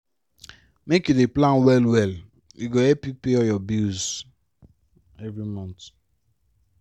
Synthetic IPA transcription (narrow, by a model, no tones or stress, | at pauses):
mekjudeplãnwɛlwɛl | uɡoɛpipeɔjɔbiz | ɛvɾimɔ̃nt